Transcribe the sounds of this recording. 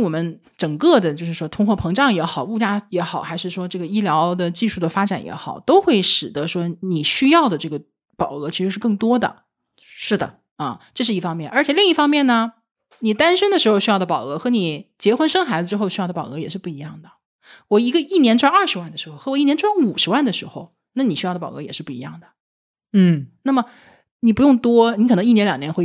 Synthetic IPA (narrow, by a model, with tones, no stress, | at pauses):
wɔ˨˩mə˦n | ʈ͡ʂɤ˨˩ŋkɤ˥˩d̪ə˩t͡ɕjo˥˧ʊʂɻ̩˥˩ʂwɔ˥t̪ʰʊ˥ŋxwɔ˥˩pʰɤ˧˥ŋʈ͡ʂɑ˥˩ŋjɛ˧˥xɑ˨˩ʊu˥˩t͡ɕja˥jɛ˧˥xɑ˨˩ʊxa˧˥ɪʂɻ̩˥˩ʂwɔ˥ʈ͡ʂɤ˥˩ɡə˩i˥ljɑ˧˥ʊd̪ə˧˨t͡ɕi˥˧ʂu˥˩d̪ə˩fa˥ʈ͡ʂa˨˩njɛ̰˧˥xɑ˨˩ʊt̪o˥ʊxwe˥˩ɪʂɻ̩˨˩d̪ə˧˦ʂwɔ˥ni˨˩ɕy˥jɑ˥˩ʊd̪ə˩ʈ͡ʂɤ˥˩ɡə˩ | pɑ˨˩ʊɤ˧˥t͡ɕʰi˧˥ʂɻ̩˧˥ʂɻ̩˥˧kɤ˥˩ŋt̪wɔ˥d̪ə̰˩ | ʂɻ̩˥˩d̪ə̰˩ | ɐ˥˧ʈ͡ʂɤ˥˧ʂ̬ɻ̩˥˩i˥˩fɑ˥ŋmjɛ˥˩nʔə˞˧˥t͡ɕʰɛ˨˩li˥˧ŋi˥˩fɑ˥ŋmjɛ˥˩nːə˩ | ni˨˩t̪a˥nʂə˥nd̪ə˨ʂɻ̩˧˥xo˧ʊɕy˥jɑ˥˩ʊd̪əpɑ˨˩ʊɤ˧˥xɤ˧˥ni˨˩t͡ɕjɛ˧˥xwə˥nʂɤ˥ŋxa˧˥ɪd͡zə˧ʈ͡ʂɻ̩˥xo˥˧ʊɕy˥jɑ˥˩ʊd̪ə˩pɑ˨˩ʊɤ˧˥jɛ˨˩ʂɻ̩˥˧pu˥˩i˧˥jɑ˥˩ŋd̪ə˩ | wɔ˨˩i˧˥ɡə˧i˥˩njɛ˧˥nʈ͡ʂwa˥ɐ˞˥˩ʂɻ̩˧˥wa˥˩nd̪ə˩ʂɻ̩˧˥xo˥˧ʊxɤ˧˥wi˥˩nʲjnʈ͡ʂʰwa˥nu˨˩ʂɻ̩˧˥wa˥˩nd̪ə˩ʂɻ̩˧˥xo˧ʊ | na˥˩ni˨˩ɕy˥jɑ˥˩d̪ə˩pɑ˨˩ʊɤ˧˥jɛ˨˩ʂɻ̩˥˧pu˥˩ḭ˧˥jɑ˥˩ŋd̪ə˩ | n̩˥˩na˥˩mə˩ | ni˨˩pu˧˥jʊ˥˩ŋt̪wɔ˥ni˧˥kʰn˧˥i˥˩jɛ˧˥nljɑ˨˩ŋnjɛ˧˥nxwe˥˧